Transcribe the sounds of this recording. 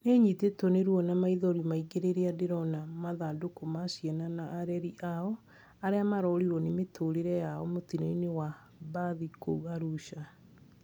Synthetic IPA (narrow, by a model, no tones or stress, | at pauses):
neɲitetoneɾwɔnamaiðɔɾimaiɡeɾeɾeadeɾɔnamaðadokomasiɛnanaʔːɾɛɾiʔaɔ | aɾeamaɾɔɾiɾɔnemetʰoɾeɾɛjaɔmotineinewa | baðikouɣaɾuɕa